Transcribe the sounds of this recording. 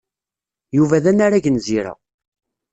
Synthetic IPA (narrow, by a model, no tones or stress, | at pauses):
juvæðænːaɾæʝənziɾæ̰